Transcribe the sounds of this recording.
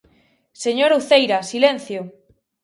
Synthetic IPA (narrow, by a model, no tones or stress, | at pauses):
seɲoɾuθejɾasilẽn̟θjo